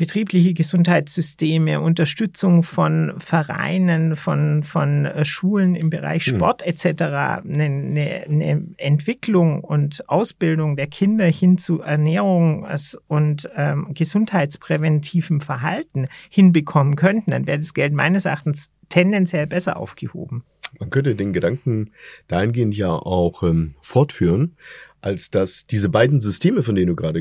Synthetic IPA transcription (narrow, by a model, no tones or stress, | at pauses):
b̥ətʁ̥iːplɪçəɡəzʊnthaɪtsz̥ʏsteːməʔʊntɐʃtʏt͡sʊŋfɔnfɛɐʁa̰ɪnənfɔnfɔnʃuːlənɪmbəʁa̰ɪçʃpɔ̰ɐtɛt͡sɛtəʁa̰ːnənənəʔɛntv̥ɪklʊŋʊntʔaʊsb̥ɪldʊŋdeːɐkʰɪndɐhɪnt͡suʔɛɐnɛːʁʊŋsʊntɛːmɡ̥əzʊnthaɪtt͡spʁ̥ɛvɛntʰiːvm̩fɛɐɦaltn̩hɪnbəkʰɔmənkʰœntn̩d̥anvɛːʁədasɡ̥ɛltma̰ɪnəsɛɐʔaχtn̩s | tʰɛndɛnt͡sjɛlbɛsɐ̰ʔa̰ʊfɡ̥əho̰ːbm̩ | mankʰœntədeːnɡədaŋkŋ̩d̥aːhɪnɡeːəntjaːʔa̰ʊxʔɛːmfɔɐtfyːʁənʔalsd̥asd̥iːzəbaɪdn̩zʏstʰeːməfɔndeːnənduːɡʁaːɾə